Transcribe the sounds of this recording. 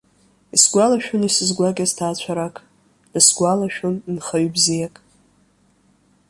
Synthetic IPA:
isɡʷalaʃᶣʊnisɨzɡʷaɡʲaztʰaːt͡ɕʷʰaɾakʼ | d̥ɨsɡʷalaʃᶣʊnnχaɥbzijakʼ

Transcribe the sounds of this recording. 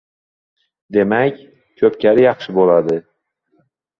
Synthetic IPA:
d̪e̞makʲ | kʰɵpkʲʰaɾɪjɑχʃɪbolad̪ɪ

